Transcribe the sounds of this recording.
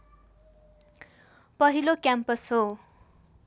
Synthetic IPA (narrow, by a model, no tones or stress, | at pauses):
pʌɦilokjampʌshɦo